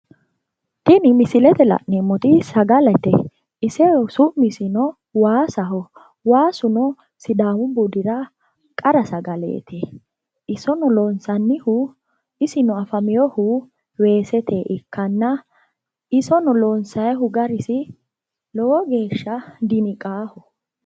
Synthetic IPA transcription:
t̪ɪnɪmɪsɪlɛt̪ɛlɐ̰ʔnemːɔt̪ɪsɐɡɐlɛt̪ɛ | ɪsɛsʊʔmɪsɪnɔ | waːsɐɦɔ | waːsʊnɔ | sɪd̪aːwʊbud̪ɪɾɐ | kʼɐɾɐsɐɡɐlḛːt̪ʰɛ | ʔɪsɔnɔlɔːnsɐnːɪhʊ | ɪsɪnɔɐfɐmɪjɔhʊ | we̞ːsɛt̪ʰeːʔɪkʰːɐnːɐ | ɪsɔnɔloːnsɐjɦʊɡɐɾɪsɪ | lɔwɔɡe̞ːʃːɐd̪ɪnɪkʼaːhɔ

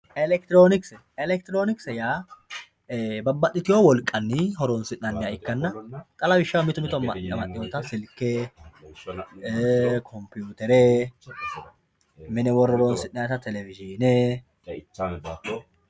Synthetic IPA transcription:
ʔɛlɛk̚t̪ɪɾoːnɪksɛ | ɛlɛk̚t̪ɪɾoːnɪksɛjaː | bɐbːɐtːɪt̪ɪjoːwɔlkʼːɐnːɪhɔɾɔnsɪʔːɐnːɪjaɪkːɐnːɐt̪ʼɐlɐbɪʃːɐwmɪt̪ʊmɪt̪ɔmɐmɐʔɪjɔt̪ɐsɪlkːeː | ekʰɔmpɪjuːt̪ɛɾe | mɛnɛwɔrːɔɾɔːnsɪnːɐjt̪ɐt̪ʰɛlɛvɪd͡ʒɪnɛ

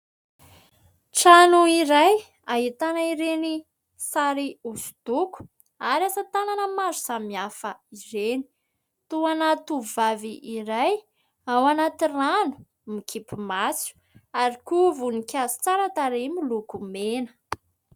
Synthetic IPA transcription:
ʈ͡ʂanuiɾaj | aɦit̪anaiɾeni | saɾiusu̥d̪̥uku̥ | aɾiasat̪ananəmazu̥sammiafəiɾeni̥ | t̪uanat̪uvaviʔːɾaj | awanat̪iranu̥ | mikʰipimasu̥ | aɾikuvunikʲazi̥t͡saɾat̪aɾemilukumenə̥

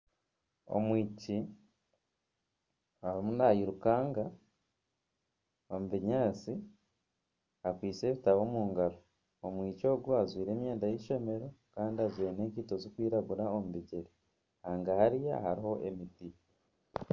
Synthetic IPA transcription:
o̰mwiːci | aɾimunajiɾukaːŋɡa | omuβiɲaːt͡si | akwiːt͡se̞βitaβo̞ːmuːŋɡaɾo | omwiːco̞ːɡuazwiːɾe̞ːmjeːndajiʃo̞me̞ɾo̞kaːndiazweːneːkiːtozokwiːɾaɡuɾaomuβiɟeɾi | haːŋɡahaɾijahaɾiho̞ʔemiti

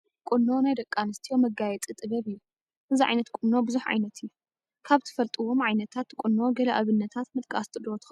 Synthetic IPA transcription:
kʷʼʊnːo̞najd̪ɐkʼːanɨst̪ʰijo̞mɐɡajɛt͡sʼit̪ʼɨβɐβɨjːu | ʔɨziʕa̰jnɐt̪kʼʊnːo̞bɨzuħʕa̰jnɐt̪ʰɪjːu | kʰaβt̪ʰɨ̥fɐlt̪ʼiwo̞mʕajnɐt̪ʰat̪kʷʼunːo̞ɡɐlɐʔaβɨnːɐt̪ʰat̪mɨt̪ʼkʼast̪ʼɨd̪ot̪ʰɨ̥ɐ

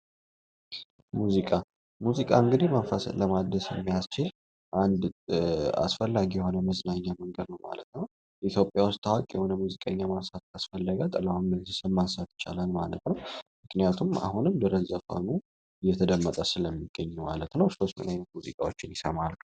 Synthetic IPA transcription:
muzikʼa | muzikʼa̰ɨŋɡɨd̪imanfasləmad̪əsɛ̰mːijast͡ʃɪl | ʔand̪ | a̰sfəlːaɡijɛho̞nəməznaɲːaməŋɡəd̪nəwma̰lət̪nəw | it̪ʰjo̞pʼjawʊst̪ʰawakʼjɛho̞nəmuzikʼəɲːamansat̪̚kʰasfəlːəɡat̪ʼəlawamɡɨnzɨsəmansat̪t͡ʃʼa̰lalmalət̪nəwmɨknijat̪ʰuma̰hunɨmd̪əɾəzəkʰo̰nu | ɨjːɛt̪ʰəd̪əmːət̪ʼəsɨləmːiɡ̥ːəɲːuma̰lət̪nəwso̞st̪mɨ̰najnət̪muzikʼawot͡ʃːɪnjɪsəmalkə

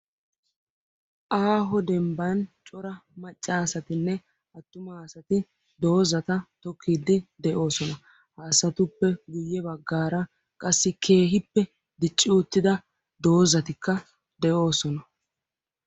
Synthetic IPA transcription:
ʔaːɦɔd̪ɛmbɐnt͡ʃʼɔɾɐmɐt͡ʃʼːaːsɐt̪ɪnːɛ | ɐt̪ːʊmasɐt̪ɪ | d̪o̞ːzɐt̪ɐt̪ɔkʰːiːd̪ːɪd̪ɛʔo̞ːsɔnɐ | haːsɐt̪ʊpːɛɡʊjːɛbɐɡːaːɾɐ | kʼɐsːɪkʰe̞ːɦɪpːɛ | d̪ɪt͡ʃʼːɪʊt̪ːɪd̪ɐ | d̪o̞ːzɐt̪ɪkːɐ | d̪ɛʔo̞ːsɔnɐ

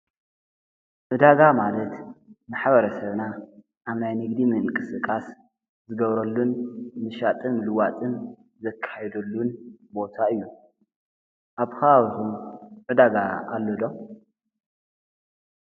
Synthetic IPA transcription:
ʔɨd̪aɡamalɐt̪maħβɐɾɐsɐβna | ʔaβnajnɨɡd̪imɨŋkʼɨsɨkʼas | zɨɡɐβɾɐlːunmɨʃat̪ʼɨnlɨwat̪ʼɨn | zɐkʰːajɛd̪ɐlːunbo̞t̪ʰaɨjːu | ʔaβxɐaβhumʕɨd̪aɡaʔalːod̪o

